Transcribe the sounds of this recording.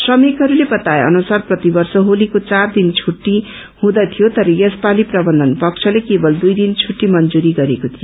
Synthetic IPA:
sʌmikɦʌɾulebʌt̪aeʌ̰nusarprʌt̪ibʌrsʌɦolikot͡sard̪int͡sʰuʈːi | hũd̪ʌt̪ʰijot̪ʌɾʌjʌspaliprʌbʌnd̪ʱʌnpʌkt͡sʰʌlekebʌld̪ujd̪int͡sʰuʈːimʌnd͡zuɾiɡʌɾekot̪ʰijo

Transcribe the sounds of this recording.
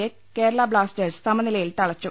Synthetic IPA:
e | ke̞ːɾɐɭaːbɭaːsʈeːrssɐmɐnilɐjilt̪ɐɭɐt͡ɕːu

